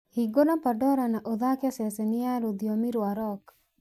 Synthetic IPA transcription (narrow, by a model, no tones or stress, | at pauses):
hiɡonapaɖɔɾanaʔod̪akjasɛsenijaɾud̪ijomiɾuaɾɔk